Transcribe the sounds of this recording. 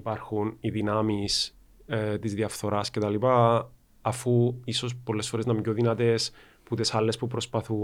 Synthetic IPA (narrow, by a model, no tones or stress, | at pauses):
ipɐɾxuniðinɐmis | t̪izðiɐfθo̞ɾɐscet̪ɐlipɐː | fuiso̞s̬polːe̞sfo̞ɾe̞znɐmɟoðinɐt̪e̞s | put̪esɐlːe̞spupɾo̞spɐθu